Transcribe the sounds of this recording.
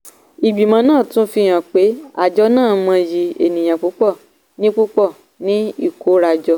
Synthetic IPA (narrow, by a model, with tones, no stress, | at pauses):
i˨ɡ͡bi˨mã˨˧˦nãː˦˨tũ˦fi˧j̃ã˨k͡pe˨˦a˦˨d͡ʒɔ˧˦nãː˦˨mã˧ji˧ḛ˨nĩ˨j̃ã˨k͡pu˨˦k͡pɔ˦˨ | nĩ˦k͡pu˦k͡pɔ˦˨ | nĩ˦i˦˨ko˨˦ɾa˧d͡ʒɔ˧